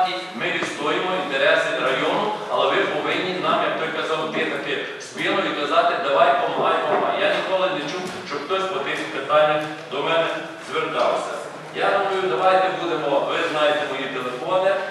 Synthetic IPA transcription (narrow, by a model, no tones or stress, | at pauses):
nʲimɪʋʲist̪ɔjimɔint̪eɾɛsɪd̪ɾɐjɔnʊɐlˠɛʋɪpɔʋɪnʲːiznɑjɛt̪ɔjkɐzɑld̪ʲexɐt̪ɪ | spʲilˠɔjikɐzɑt̪ɪd̪ɐʋɑjpɔmɐɦɑjmɔɦɑ̰jjanʲikɔlˠɪnet͡ʃuwʃt͡ʃɔxt̪ɔsʲpɔt̪ɪsʲipet̪ɑnʲːɐ | d̪ɔmɛnɛ | zʋert̪ɑ̰lsʲɐ̰ | jaɦ̪ɐɦujʊd̪ɐʋɑjt̪ɛbud̪emɔʋɪznɑjet̪ɛmɔjit̪elˠefɔnɪ